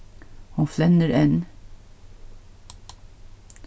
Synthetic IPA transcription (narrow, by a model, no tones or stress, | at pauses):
hʊnflɛnəɾʔɛn